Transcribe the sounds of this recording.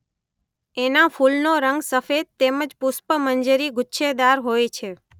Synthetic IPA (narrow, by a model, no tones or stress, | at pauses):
enãfulnoɾəŋɡsəfed̪̚t̪eməd͡ʒpʊspəmənd͡ʒəɾiɡʱʊtːʃed̪aɾɦojt͡ʃʰe